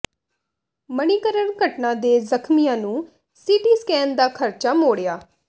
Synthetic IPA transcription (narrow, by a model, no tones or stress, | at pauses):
məniːkəɾəɳɡʱəʈnãːd̪eːzəkʰmijãːnũː | siːʈiːskɛːnd̪aːkʰəɾt͡ʃaːmoːɽejaː